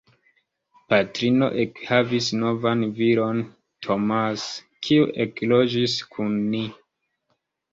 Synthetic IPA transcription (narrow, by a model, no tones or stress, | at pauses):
patɾino̞̰ʔekhavisno̞vanvilo̞n | tʰomas | kʰiuʔeklod͡ʒiskʰunːi